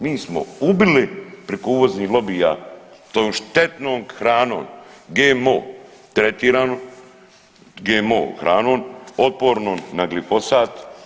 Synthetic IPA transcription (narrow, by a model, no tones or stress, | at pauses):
miːsmo̰ubilipɾekouːʋoznilo̞biːja̰t̪ojomʃt̪e̞t̪noːmxɾaːno̰ːnɡeːmo̰ːt̪ɾet̪iːɾaːno | ɡeːmo̰ːxɾaːnoːnot̪̚po̞ːɾnoːmnaɡlifo̞saːt̪